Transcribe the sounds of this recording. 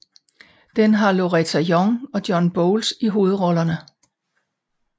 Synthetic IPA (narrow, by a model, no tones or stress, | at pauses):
d̥enɦɑ̈lo̝ʁɛt͡sʰæjɒŋɒ̽d̥jɒ̽nb̥ɔʊlsiɦo̝ːð̞̩ˠʁɒ̽lɐnə